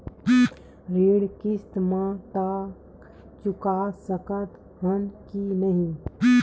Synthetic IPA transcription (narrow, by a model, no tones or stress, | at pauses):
ɾeːɽkɪst̪mãt̪a | t͡ʃʊkasəkət̪ | ɦənkinəɦĩ